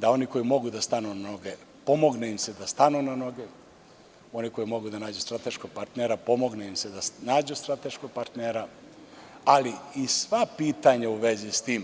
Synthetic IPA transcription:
d̪ao̞niko̞jimo̞ɡud̪ast̪anunano̞ɡe | po̞mo̞ɡneimsed̪ast̪anunano̞ɡe | o̞niko̞jimo̞ɡud̪anaːd͡ʑust̪ɾat̪e̞ʃko̞ɡ̚paɾt̪neɾapo̞mo̞ɡneimsed̪anaːd͡ʑust̪ɾat̪e̞ʃko̞ɡ̚paɾt̪neːɾa | aliisʋapiːt̪aɲauʋe̞zist̪iːm

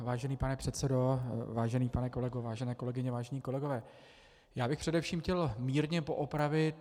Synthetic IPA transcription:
vaːʒɛniːpanɛpr̝̥ɛt̪sɛdo̞vaːʒɛniːpanɛko̞lɛɡovaːʒɛnɛːko̞lɛɡɪɲɛvaːʒɛɲiːko̞lɛɡo̞vɛː | jaːbɪxpr̥ɛdɛfʃiːmxcɛlmiːɾɲɛpo̞ʔopɾavɪt̪

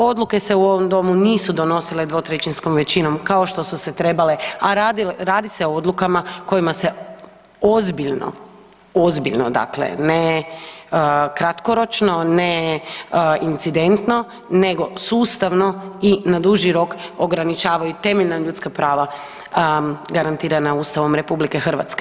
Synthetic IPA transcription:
o̞d̪lˠuke̞seuo̞ʋomd̪o̞muniːsud̪o̞no̞sile̞d̪ʋo̞t̪ɾet͡ʃinsko̞mʋe̞t͡ɕino̞mkao̞ʃt̪o̞suse̞t̪ɾe̞bale̞aɾad̪ilɾaːd̪ise̞ood̪lˠukamako̞jimase̞ | ozbiʎno̰ | o̞zbiʎno̰d̪a̰klḛne | kɾat̪ko̞ɾo̞t͡ʃno̞ne | int̪sid̪e̞nt̪no̞ | ne̞ɡo̞suːst̪aʋno̞inad̪uʒiɾo̞koɡɾanit͡ʃaːʋajut̪e̞meʎʲnaʎut̪skapɾaːʋa | ɡaɾant̪iːɾanauːst̪aʋo̞mɾe̞publike̞xr̩ʋa̰t̪ske

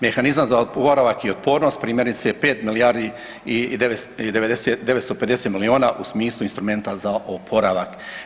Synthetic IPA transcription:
me̞xanizamzaopoɾaʋakiot̪̚po̞ːɾno̞st̪̚pɾiːmje̞ɾnit̪sepeːt̪milijaːɾd̪i | id̪eed̪eʋed̪esed̪eʋest̪oped̪eset̪milioːnaʔusmiːslˠuinst̪ɾume̞nt̪azaʔopʰo̞ɾaʋak

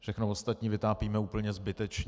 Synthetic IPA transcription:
fʃɛxnovost̪at̪ɲiːvɪt̪aːpiːmɛuːpl̩ɲɛzbɪt̪ɛt͡ʃɲ

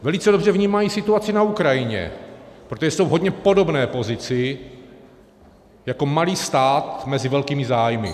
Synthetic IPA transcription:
vɛlɪt͡sɛdo̞br̝ɛvɲiːmajiːsɪt̪uat͡sɪnaukɾajɪɲɛ̰pɾot̪oʒɛso̞wɦo̞dɲɛpo̞do̞bnɛːpo̞zɪt͡sɪ | jako̞maliːst̪aːt̪mɛzɪvɛlkiːmɪzaːjmɪ̰

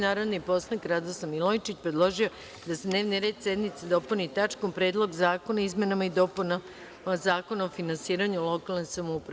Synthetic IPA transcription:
naːɾod̪nipo̞slanikɾad̪osamilˠojt͡ʃit͡ɕpɾe̞d̪lˠo̞ʒio̞ | d̪ased̪ne̞ːʋniɾe̞ːd̪se̞d̪nit̪sed̪o̞punit̪at͡ʃkompɾe̞d̪lˠo̞ɡzaːko̞naizme̞namaid̪o̞puna | zaːko̞naofinansiːɾaɲulo̞kalˠnesamoupɾa

